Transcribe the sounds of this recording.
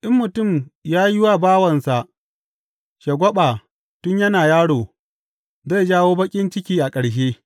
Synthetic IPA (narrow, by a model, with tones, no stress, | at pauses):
ʔɪ˦mːʊ˨tʊ˦˨mjaː˦ji˦wa˦baː˦wɐ˨nsa˨ʔ | ʃɐ˨ɡʷɔ˦ɓa˨ | tʊ˦ɲjɐ˦naː˨jaː˦ɽoː˨ | za˦˨d͡ʒaː˦woː˦bɐ˦kʲʼɪ˦nt͡ʃɪ˦kʲiː˦ʔa˨kʼɐ˨ɽʃ̬eː˦